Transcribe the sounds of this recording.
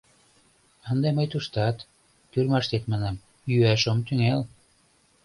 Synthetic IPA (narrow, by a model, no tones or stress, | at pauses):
ənd̪eməjt̪uʃt̪ɑt̪ː | yrmɑʃt̪et̪mɑnɑm | jyæʃomt̪yŋel